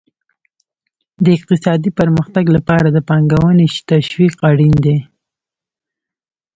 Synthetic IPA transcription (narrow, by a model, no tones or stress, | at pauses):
d̪əɪq̚t̪ɪsɑd̪ipəɾməxt̪aɡlapɑɾad̪əpɑŋɡawəneʃt̪aʃwiqaɽind̪e